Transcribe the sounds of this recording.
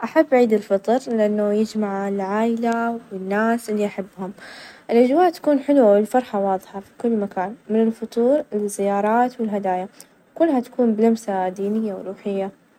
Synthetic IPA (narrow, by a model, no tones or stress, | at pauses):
ʔaħabːʕiːd̪ɪlfɨt̪ˤɨɾlɪʔanːajɪd͡ʒmaʕɪlʕaːjlawɪnːaːsʔɪlːiʔaħabːhʊmʔɪlʔad͡ʒwaːʔt̪ḁkuːnħɪlwawɪlfɑɾˤħawɑːðˤħɑfi̥kʊlːmakaːnmɪnɪlfʊt̪ˤuːɾɪzːɪjɑːɾˤɑːt̪wɪlɦad̪aːja | kʊlːhat̪ḁkuːnbɪlamsad̪iːnɪjːawɾuːħɪjːa